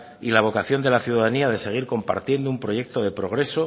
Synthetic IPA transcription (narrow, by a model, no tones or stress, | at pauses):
ilaβ̞o̞kaθjo̞nd̪e̞laθjuðaðaniaðe̞se̞ɣ̞iɾko̞mpa̰ɾt̪je̞nd̪oumpɾo̞je̞k̚t̪o̞ð̞e̞pɾo̞ɣ̞ɾe̞so̞